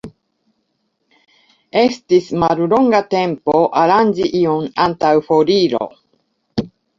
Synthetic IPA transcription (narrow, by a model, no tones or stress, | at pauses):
e̞stismaɾulo̞ŋɡate̞mpo̞ʔaɾand͡ʒiʔionantawfo̞ɾiɾo̰